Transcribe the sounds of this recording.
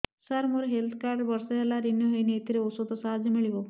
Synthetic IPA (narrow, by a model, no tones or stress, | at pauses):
saɾmoɾeɦelt̪ʰkaɾɖbɔɾsɔɦelaɾinjɔɦojneːt̪ʰiɾeosod̪ɔsaɦad͡ʒɔmiɭibɔ